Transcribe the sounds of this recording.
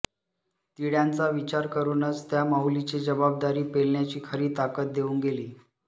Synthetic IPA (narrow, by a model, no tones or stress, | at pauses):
t̪iɽjant͡saʋit͡ɕaɾkəɾuːnət͡st̪jamaulit͡ɕed͡ʑəbab̚d̪aɾiːpelɳjat͡ɕiːkʰəɾiːt̪akət̪̚d̪euːŋɡeliː